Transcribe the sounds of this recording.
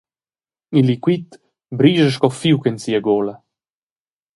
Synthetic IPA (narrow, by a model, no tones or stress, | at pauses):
ilikwit̪ | bɾiːʒəʃkɔfiwkɛnsiəɡolə